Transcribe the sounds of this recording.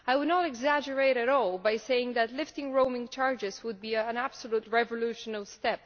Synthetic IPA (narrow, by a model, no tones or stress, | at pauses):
aɪwədnəɾɨɡzæd͡ʒə˞eɪɾɨɾɔlˠbaɪseɪɪ̃ŋðɨtˡlɪftɪ̃ŋɹõʊ̃mɪ̃ŋt͡ʃʰɑɹd͡ʒɨzwʊd̚biə̃næb̥səlut̚ɹɛvəluʃə̃nəlˠstɛp̚